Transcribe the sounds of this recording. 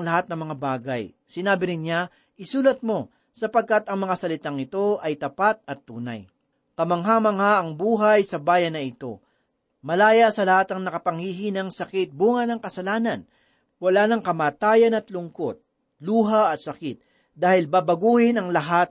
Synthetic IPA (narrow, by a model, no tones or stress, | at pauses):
ŋlɐɦat̪̚nɐŋmɐŋabaːɡɐj | sɪnaːbɪɾɪnɲa | ʔɪsuːlɐt̪̚mo̞ | sɐpɐɡ̚kat̪ɐŋmɐŋasɐlɪt̪aŋɪt̪o̞ʔɐjt̪ɐpat̪̚ɐt̪ːuːnɐ̰j | kɐmɐŋɦaːmɐŋhaʔɐŋbuːɦɐjsɐbaːjɐnːɐɪt̪o̞̰ | mɐlaːjɐsɐlɐhat̪ɐŋnɐkɐpɐŋhiːɦinɐŋsɐkɪt̪̚buːŋɐnɐŋkɐsɐlaːnɐn | wɐlaːnɐŋkɐmaːt̪aːjɐnɐt̪lʊŋko̞t̪̚ | luːɦɐʔɐt̪̚sɐkɪt̪̚ | d̪aːhɪlbaːbɐɡuːhɪnɐŋlɐɦat̪̚